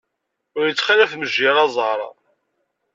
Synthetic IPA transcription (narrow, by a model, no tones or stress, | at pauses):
ʊɾjət͡sːχælæfməʒːɪɾɑzˤɑɾˤɑ̰